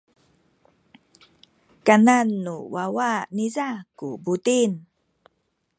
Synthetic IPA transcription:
kananːuwawanizakubutin

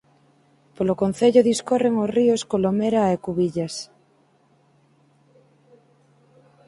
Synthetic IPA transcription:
polokonθeʎoðiskoreŋosrioskolomeɾaekuβiʎas

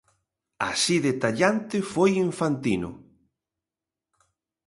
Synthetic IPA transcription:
a̰siðet̪aʎant̪ɪfojiɱfant̪inʊ̰

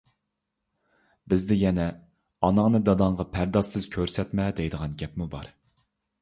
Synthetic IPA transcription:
bɪzd̪ɪjɛnɛ | ɑnɑŋnɨd̪ɑd̪ɑŋʁɑpʰæɾd̪ɑʃɨz̥kʲʰøɾsɛt̪mɛd̪ɛjd̪əʁɑnɡʲɛpmubɑɾ

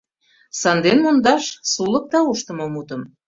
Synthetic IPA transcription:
sɑnd̪enmond̪ɑʃsulək̚t̪ɑuʃt̪ə̆momut̪ə̆m

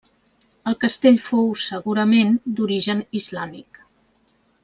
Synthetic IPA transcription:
əlˠkəst̪eʎfowsəɣuɾəmend̪uɾiʒənizlamik

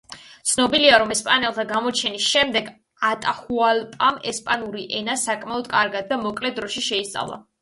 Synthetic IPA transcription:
t̪sʰnɔbiliaɾɔmɛspʼanɛlˠt̪ʰaɡamɔt͡ʃʰɛnisʃɛmd̪ɛɡ | at̪ʼaχualpʼamɛspʼanuɾiʔɛnasakʼmaɔd̪kʼaɾɡad̪̚ːamɔkʼlɛd̪ɾɔʃiʃɛist̪sʼa̰vlˠa̰

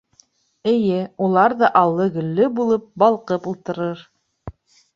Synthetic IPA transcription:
ɘ̆jɘulˠɑɾðɤʔɑlˠːɤɡɵ̆lːɵbulˠɤp̚bɑlˠqɤpulˠt̪ɤ̆ɾɤɾ

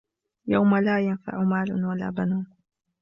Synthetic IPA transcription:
jawmalaːjanfa̰ʕʊmaːlʊwala̰ːbanuːn

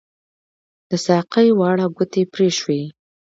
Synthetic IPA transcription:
d̪̥əsɑqəjwɑɽaɡʊt̪epɾeʃwe

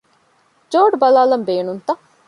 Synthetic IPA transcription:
d͡ʒoːɖbɐlaːlɐmbeːnunt̪ɐ

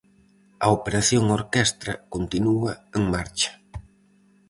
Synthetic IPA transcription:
ɐ̰opeɾaθjoŋoɾkɛst̪ɾɐkont̪inuɐeŋmaɾt͡ʃḁ

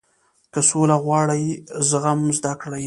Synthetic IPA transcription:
kəsolaɣwɑɽəjzəɣamzd̪akɽaj

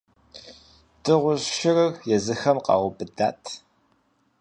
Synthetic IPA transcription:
d̥ɨʁʷʊɕʃɪrɨrjɛzɨxɐmqɑ̰ːʁʷʊbɨdaːtʰ

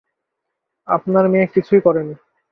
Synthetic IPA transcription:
a̰pnaɾmekit͡ɕʰujkɔɾeni

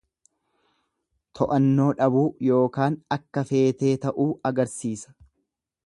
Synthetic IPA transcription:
t̪ʰɔʔɐnːo̞ːᶑɐbuːjo̞ːkaːnɐkːɐfe̞ːt̪e̞ːt̪ɐʔuːɐɡɐɾsiːsɐ̥

